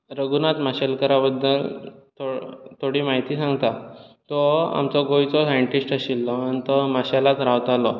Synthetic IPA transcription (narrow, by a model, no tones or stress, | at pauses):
ɾəɡunat̪maɕalkəɾabəd̪ːəlt̪ʰot̪ʰoɽiːmaɦit̪iːsãŋɡt̪at̪ɔa̰mt͡sɔɡojt͡sɔsajəɳʈisʈəɕilːɔanit̪ɔmaɕalat̪ɾaʋt̪alɔ